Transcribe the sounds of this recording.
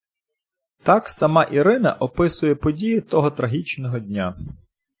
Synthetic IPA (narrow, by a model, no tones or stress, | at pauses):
t̪ɑksɐmɑʔiɾɪnɐʔɔpɪsʊjɛpɔdʲijɪt̪ɔɦɔt̪ɾɐɦʲit͡ʃnɔɦɔdʲnʲa